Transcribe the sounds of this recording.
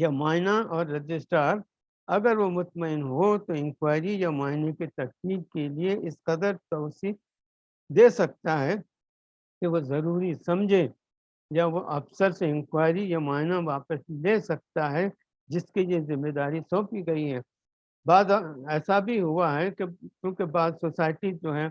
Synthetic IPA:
jemaːɪnaɔːɾːɐd͡ʒɪsʈaːɾ | ɐɡəɾʋomʊt̪məɪnɦot̪oɪ̃mkwaːɪɾijamaːɪnekit̪ɐkliːb̚kelieʔɪsqɐd̪əɾt̪ɐːsi | d̪eːsɐk̚t̪aɦɛ | keʋozɐɾuːɾisɐmd͡ʒʱe | jaʋoʔɐfsəɾseɪ̃mxwaːɪɾijamaːɦɪnaʋaːpəsleːsɐk̚t̪aɦɛ | d͡ʒɪskejezɪmːeːd̪aːɾisɔ̃ːpiɡɐiɦɛ̃ː | baːd̪ɛːsabʱiɦʊaɦɛkekjõːkebaːd̪sosaːɪʈid͡ʒoːɦɛː

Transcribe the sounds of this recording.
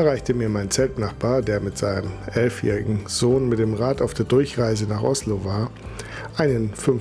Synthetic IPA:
ɛʁaɪçtəmiːɐmaɪnt͡sɛltnaχb̥aːɐdeːɐmɪtz̥aɪnəmʔɛlfjɛ̰ːʁɪɡŋ̩z̥oːnmɪtd̥eːmʁaːtaʊfd̥eːɐdʊɐçʁaɪzənaːχʔɔslovaːɐ | ʔaɪnənfʏn

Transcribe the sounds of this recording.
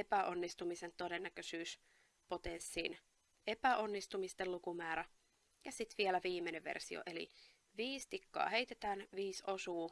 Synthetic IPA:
epæʔo̞nːist̪umise̞nt̪o̞de̞nːækøsyːs | po̞t̪ensːiːn | e̞pæʔo̞nːist̪umist̪elukumæːɾæ | jɑsit̪ʋielæʋiːmːeneʋʋḛrsio̰ʔe̞lḭ | ʋiːst̪ikːɑ̰ːhe̞it̪et̪æːnʋiːso̞suː

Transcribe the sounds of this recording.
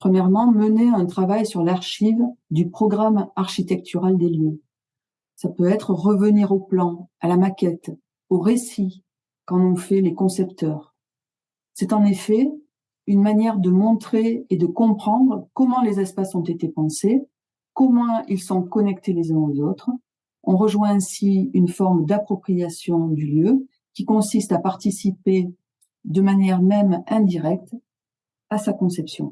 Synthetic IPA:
pχəmjɛʁmɑ̃məneɛ̃t̪χavajsyʁlaʁʃivd̪ypχɔɡʁamaʁʃit̪ɛk̚t̪ʰyʁald̪eljø | sapøɛt̪χəʁəvəniʁoplɑ̃alamakʲɛt̪ | oʁesi | kɑ̃nɔ̃fɛlekɔ̃sɛpt̪œʁ | sɛt̪ɑ̃nefɛ | ynmanjɛʁd̪əmɔ̃t̪χeːd̪əkɔ̃pχɑ̃d̪ʁkɔmɑ̃lezɛspasɔ̃t̪et̪epɑ̃se | kɔmwɛ̃ilsɔ̃kɔnɛk̚t̪elezɛ̃ozot̪χ | ɔ̃ʁəʒwɛ̃ɛ̃siynfɔʁmd̪apχɔpχijasjɔ̃d̪yljø | kʲikɔ̃sist̪apaʁt̪isipe | d̪əmanjɛʁmɛmɛ̃d̪iʁɛk̚t̪ | asakɔ̃sɛpsjɔ̰̃

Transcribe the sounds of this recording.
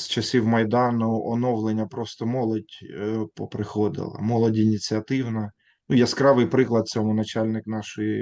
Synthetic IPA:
st͡ʃɐsʲiwmɐjd̪ɑnʊɔnɔwlˠenʲːɐpɾɔst̪ɔmɔlˠɔdʲpɔpɾɪxɔd̪ɪ̰lˠɐ̰mɔlˠɔdʲinʲit͡sʲiɐt̪ɪwnɐ | nujɛskɾɑʋɪjpɾɪklˠɐd̪̚sʲɔmʊnɐt͡ʃɑlʲnɪknɑʃɔji

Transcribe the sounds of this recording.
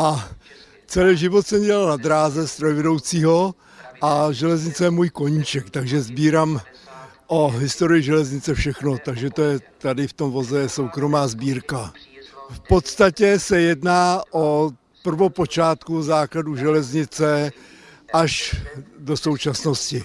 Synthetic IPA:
ʔa | t͡sɛlɛʒɪvo̞t̪sɛmɟɛlalnad̪ɾaːzɛst̪ɾojvɛdo̞wt͡siːɦo̞ | ʔaʒɛlɛzɲɪt͡sɛjɛmuːjko̞ɲiːt͡ʃɛkt̪aɡʒɛzbiːɾam | ʔoɦɪst̪o̞ɾɪjɪʒɛlɛzɲɪt͡sɛfʃɛxno̞t̪aɡʒɛt̪o̞jɛt̪adɪft̪o̞mvo̞zɛjɛsowkɾo̞maːzbiːɾkafpo̞t̪st̪acɛsɛjɛdnaːʔo | pr̩vopo̞t͡ʃaːt̪kuzaːkladuʒɛlɛzɲɪt͡sɛ | ʔaʃdo̞so̞wt͡ʃasno̞scɪ

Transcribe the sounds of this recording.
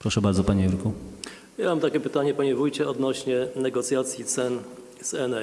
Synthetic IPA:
pɾɔʂɛbaɾd̪zɔpaɲeuɾku | jamamt̪akʲɛpɘt̪aɲɛpaɲɛvujt͡ɕɛɔd̪nɔɕɲɛnɛɡɔt̪sʲjat̪sʲjit̪sɛn | zɛnɛ

